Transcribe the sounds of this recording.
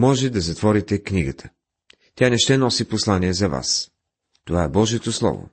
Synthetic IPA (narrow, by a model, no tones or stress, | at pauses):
mɔʒɛd̪ɐzɐt̪vɔɾit̪ɛkniɡət̪ʰə̥ | t̪ʲanɛʃt̪ɛnɔsiposlˠaniɛzɐva̰s | t̪ovaɛbɔʒiɛt̪oslˠɔ̰vo̰